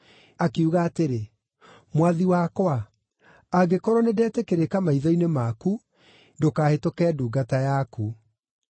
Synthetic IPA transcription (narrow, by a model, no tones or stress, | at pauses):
akeuɣaːteɾe | mwaðiwakwa | aɡekɔɾɔnedɛːtekeɾekamaiðɔinemaku | dokaːhetokɛːduːɡatajaku